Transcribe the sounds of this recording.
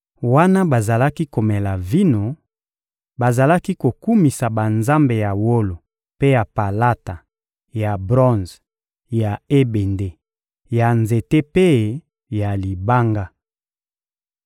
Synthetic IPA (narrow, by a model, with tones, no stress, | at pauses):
wa˦na˦ba˨za˨la˦ki˦ko˨me˨la˨vi˦no˨ | ba˨za˨la˦ki˦ko˨ku˦mi˨sa˨ba˨nza˦mbe˨ja˨wo˦lo˨ | pe˦ja˨pa˨la˦ta˨ | ja˨bʁɔ̃˦nz | ja˨e˦be˨nde˦ | ja˨nze˨te˦pe˦ | ja˨li˨ba˦ŋɡa˦